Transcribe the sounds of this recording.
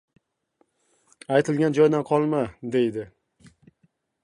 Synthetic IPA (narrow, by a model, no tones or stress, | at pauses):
ajt̪ʰɪlɡʲand͡ʒɒjd̪anqʰɒlˠmad̪e̞jd̪ɪ